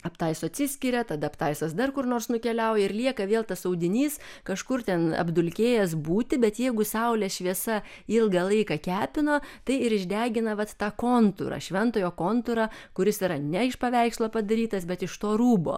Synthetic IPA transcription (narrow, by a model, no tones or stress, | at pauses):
ɐpt̪ɐɪsʊɐt̪ʲsʲɪsʲkʲɪɾʲɛt̪ɐd̪ɐɐpt̪ɐɪsɐsd̪ɐrkʊrnoːrsnʊkʲɛlʲɛʊjɛɪrlʲiɛkɐʋʲeːlˠt̪ɐsɐʊd̪ʲɪnʲiːskɐʃkʊrt̪ʲɛnɐ̰bd̪ʊlʲkʲeːjɛsbuːt̪ʲɪbʲɛt̪jɛɪɡʊsɐʊlʲɛʃʲʋʲiɛsɐ | ɪlˠɡɐlˠɐɪkɐkʲæːpʲɪnoːt̪ɐɪɪɾɪʒʲd̪ʲæːɡʲɪnɐʋɐt̪ːɑːkoːnt̪ʊ̰ɾɐ̰ʃʲʋʲɛnt̪oːjoːkoːnt̪ʊɾɑkʊɾʲɪsiːɾɐnʲɛɪʃpɐʋʲɛɪkslˠoːpɐd̪ɐɾʲiːt̪ɐsbʲɛt̪ɪʃt̪oːruːbo̰ː